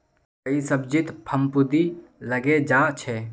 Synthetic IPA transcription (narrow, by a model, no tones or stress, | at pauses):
əisəbd͡ʒit̪pʰəmpud̪iləɡed͡ʒaːt͡ʃʰɛ